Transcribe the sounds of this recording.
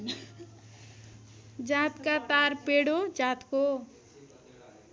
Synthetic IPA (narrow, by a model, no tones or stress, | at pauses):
d͡ʒãt̪kat̪aɾpeɽod͡ʒãt̪ko